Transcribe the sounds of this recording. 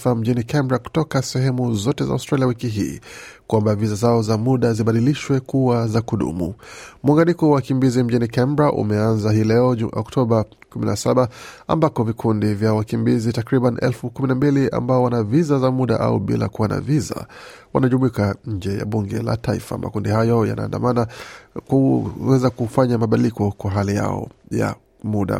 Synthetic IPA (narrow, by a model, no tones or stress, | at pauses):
fam̩ʄinikɛmbɾaku̥tɔkasɛɦɛmuzɔtɛza̰a̰wstɾaliawikiɦḭːkwambavizazaɔzamuɗaziɓaɗiliʃwɛkuazakuɗṵmṵmwaŋɡanikɔwawakimbizim̩ʄinikɛmbɾaʔṵmɛanzaɦiːlɛɔʔɔ̰ktʰɔɓa | kuminasaɓaa̰mbakɔvikʰundivjawakimbizitakɾiɓaniʔɛ̰lfukuminambilia̰mbaɔwanavizazamuɗaʔa̰uɓḭla̰kuwana̰viza̰ | wanaʄumuikaɲ̩d͡ʒɛja̰ɓuŋɡɛ̰la̰taḭfa̰ma̰kundihajɔja̰na̰ːnda̰manauwɛzakufaɲamaɓaɗilikɔkwaɦalija̰ɔ̰ja̰ | muɗa̰